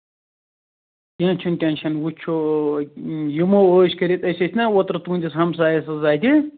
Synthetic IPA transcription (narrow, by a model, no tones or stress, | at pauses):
t̪ʲãːnt͡ʃʰunt̪ʲãːnʲt͡ʃʰɐnwut͡ʃʰo | jimooːʃkɐɾit̪ɐsʲɐt̪ʲʰnɐwot̪ɾɐt̪uːnʲd̪isɦɐmsaːjɐsɐzaːd̪ʲi